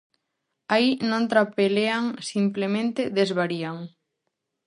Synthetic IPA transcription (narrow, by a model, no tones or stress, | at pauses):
ainõnt̪ɾapeleaŋsimplemẽnt̪eðezβaɾiaŋ